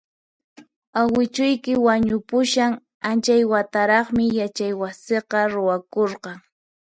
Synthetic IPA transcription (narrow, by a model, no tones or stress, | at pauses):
awɪt͡ʃʊjkɪwaɲʊpʊʃaŋ | ant͡ʃajwat̪aɾɑχmɪjat͡ʃajwaseqɑɾʊwakoɾqɑŋ